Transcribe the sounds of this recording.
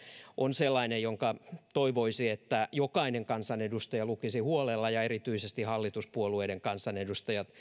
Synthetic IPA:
ʔonselːɑinejjoŋkɑt̪oiʋoisiet̪ːæjokɑineŋkɑnsɑnedust̪ɑjɑlukisihuolelːɑjɑerit̪yisest̪ihɑlːit̪uspuolueideŋkɑnsɑnedust̪ɑjɑt̪

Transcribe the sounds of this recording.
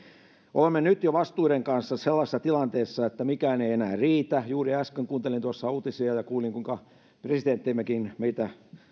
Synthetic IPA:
ʔo̰lemːenyt̪joʋɑst̪uːɾeŋkɑnsːɑselːɑsesːɑt̪ilɑnt̪eːsːɑet̪ːæmikæːneienæːriːt̪æjuːriæskeŋkuːnt̪elint̪uɑsːɑuːt̪isiɑjɑkuːliŋkuiŋkɑ | presit̪ent̪ːeimːekinmeit̪æ

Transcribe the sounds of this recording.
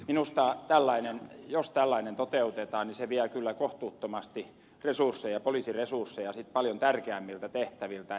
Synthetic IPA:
minust̪ɑt̪ælːɑinenjost̪ælːɑinent̪ot̪eut̪et̪ɑːniseʋiælkylːækoht̪uːt̪ːomɑst̪i | resursːeijɑpoliˑsiresursːejɑsit̪pɑljont̪ærkeæmːilt̪æt̪eht̪æʋilt̪æ

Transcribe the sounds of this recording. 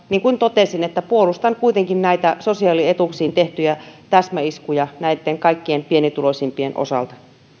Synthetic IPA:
niːŋkunt̪ot̪eˑsinet̪ːæpuolust̪ɑŋkuit̪eŋkinnæit̪æsosiɑːliet̪uksiːnt̪eht̪yjæt̪æsmæiskujɑnæit̪ːeŋkɑikːiempienit̪ulosʲimpienʔo̰sɑ̰lt̪ɑ

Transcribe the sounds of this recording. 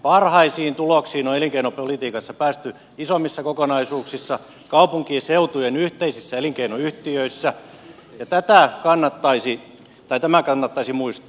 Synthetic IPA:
pɑrhɑisiːnt̪uloksiːnoeliŋkeinopolit̪iːkɑsːɑpæːst̪y | isomːisːɑkokonɑisuːksisːɑ | kɑupuŋkieseut̪ujenyht̪eisisːæeliŋkeinoyht̪iøisːæ | jɑt̪æt̪ækɑnːɑt̪ːɑisi | t̪ɑit̪æmækɑnːɑt̪ːɑisimuist̪ɑ̥

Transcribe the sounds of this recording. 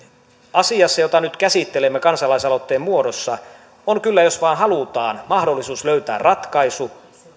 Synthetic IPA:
ɑsiɑsːɑjo̞t̪ɑnyt̪kæsit̪ːelemːekɑnsɑlɑisɑlot̪ːeːmmuo̞dosːɑ | oŋkylːæjo̞sʋɑːnɦɑlut̪ɑːnmɑhdolːisuːsløyt̪æ̰ːrrɑt̪kɑisu

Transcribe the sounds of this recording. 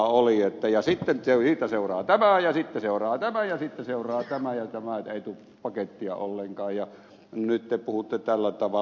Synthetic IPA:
oliet̪ːæjɑsit̪ːenesiːt̪ːæseˑurɑːt̪æmæjɑsit̪ːeseˑorˑɑːt̪æmæjjɑsit̪ːeseˑurˑɑːt̪æmæjɑt̪æmæet̪eˑit̪uː | pɑket̪ːiɑ̰olːeŋkɑːjjɑ | nyt̪t̪epuhut̪ːet̪ælːæt̪ɑʋɑ

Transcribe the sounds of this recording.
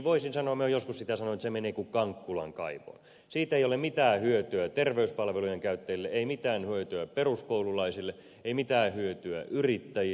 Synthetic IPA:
ʋoisinsɑnoɑmyøjoskussit̪æsɑnont̪semeneːkukɑŋkːulɑ̰ŋkɑ̰iʋo̰n | siːt̪eijolemit̪æːhyøt̪yæt̪erʋeyspɑlʋelujeŋkæyt̪ːæilːeeimit̪æːnhyøt̪yæperuskoululɑisilːe | eimit̪æːhyøt̪yæ̰ʔyrit̪ːæji

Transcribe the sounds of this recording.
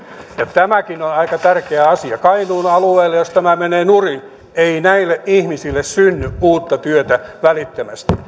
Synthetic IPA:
jɑt̪æmækinonɑikɑt̪ærkeæɑsiɑkɑinuːnɑlueːlːejost̪æmæmeneːnurin | einæilːeʔʔihmisilːessynːyʔuːt̪ːɑt̪yøt̪æʋælit̪ːemæst̪i̥

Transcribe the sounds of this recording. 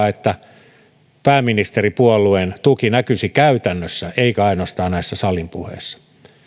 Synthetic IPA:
et̪ːæ | pæːmːinist̪eripuolːˑuent̪ukinækysikæyt̪ænːøsːæeikæɑinost̪ɑːnnæisːæsɑlimpuhḛsːɑ̥

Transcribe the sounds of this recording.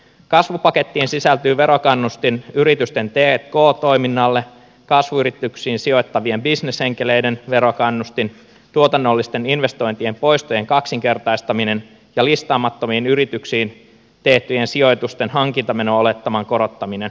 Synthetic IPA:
kɑsʋupɑke̞t̪ːiːnsisælt̪yːʋe̞ɾo̞kɑnːust̪inyɾit̪yst̪e̞nt̪eːt̪ko̞ːt̪o̞jminːɑlːe | kɑsʋuyɾit̪ːyksiːnsio̞jt̪ːɑʋie̞mbisneshe̞ŋk̟ele̞jde̞nʋe̞ɾo̞kɑnːust̪in | t̪uo̞t̪ɑnːo̞lːist̪e̞ninʋe̞st̪o̞jnt̪ie̞mpo̞jst̪oje̞ŋkɑksiŋk̟e̞rt̪ɑjst̪ɑmine̞n | jɑlist̪ɑːmɑt̪ːo̞miːnyɾit̪yksiːn | t̪e̞ht̪yjensio̞jt̪ust̪e̞nɦɑŋk̟int̪ɑme̞noːole̞t̪ːɑmɑŋkoɾo̞t̪ːɑmine̞n

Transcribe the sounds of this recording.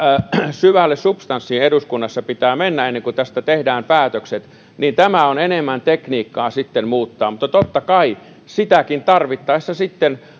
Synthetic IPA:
syʋælːessupst̪ɑnsːiːneduskunːɑsːɑpit̪æːmenːæenːeŋkut̪æst̪æt̪ehdæːmpæːt̪økset̪ | nint̪æmæonenemːænt̪ekniːkːɑːsit̪ːenmuːt̪ːɑːmŭt̪ːɑt̪ot̪ːɑkɑi | sit̪ækint̪ɑrʋit̪ːɑisːɑsit̪ːen

